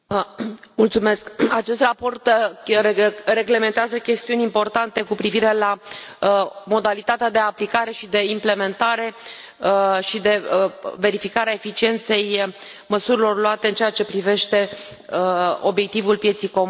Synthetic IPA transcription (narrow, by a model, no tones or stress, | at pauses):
mult̪sume̞skat͡ʃe̞st̪rapo̞rt̪ | re̞ɡle̞me̞nt̪eazəkʲe̞st̪iunʲimpo̞rt̪ant̪e̞kupɾiviɾe̞la | mo̞d̪alit̪at̪ead̪e̞aplikaɾe̞ʃid̪e̞imple̞me̞nt̪aɾe̞ | ʃid̪e̞ve̞ɾifikaɾeaefit͡ʃient̪se̞j | məsuɾilo̞rluat̪e̞ɨnt͡ʃeat͡ʃe̞pɾive̞ʃt̪e̞ | o̞bjek̚t̪ivulpjet̪sijko̞mu